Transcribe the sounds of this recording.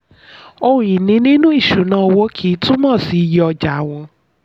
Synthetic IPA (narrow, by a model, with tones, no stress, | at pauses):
o˧ũ˨ĩ˨nĩ˨˧˦nĩ˦nũ˦i˦˨ʃu˨˦nãː˦˧wo˦kʰi˨˦tũ˦mãː˦˨si˨˧jɔ˧d͡ʒa˨˦w̃ɔ̃˧